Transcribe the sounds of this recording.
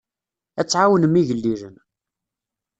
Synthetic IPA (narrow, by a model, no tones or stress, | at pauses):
æt͡sːʕawənəmːiʝəlːiʒən